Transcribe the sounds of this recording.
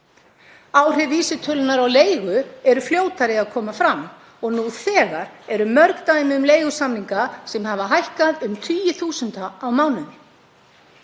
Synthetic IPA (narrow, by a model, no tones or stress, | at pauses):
aːwr̥ɛviːsɪt̪ʰœlnaɾawleːjɣʏɛɾʏfljoːwt̪aɾɪaðkʰɔːmafɾamː | ɔɣnuθɛːɣaɾɛɾʏmœɾkt̪ajmɪʏmleːjɣʏsamniŋkasɛmɦavaɦajhkaðʏmt̪ʰiːjɪθuːsʏnt̪aawmaːwnʏnɪ